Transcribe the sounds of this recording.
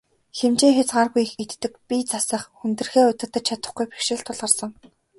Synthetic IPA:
xemt͡ɕeːŋxʲat͡sɢaːrɣujxɡet̪ːɘ̆k̚pit͡sasə̆χxunt̪ɘ̆rxeːʊt̪ə̆t̪ːə̆t͡ɕt͡ɕʰat̪ə̆χɡujpi̥xʃɪ̆ɬt̪ʰːʊɮʁə̆rsə̆ŋ

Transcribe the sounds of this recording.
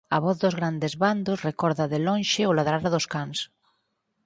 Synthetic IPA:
a̰βɔθðozɣɾand̪ezβand̪osrekɔɾðaðelõnʃɪolaðɾaɾaðoskaŋs

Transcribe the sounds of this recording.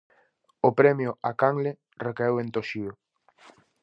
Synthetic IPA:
opɾɛmjʊakaŋle | rekaewẽnt̪oʃiʊ

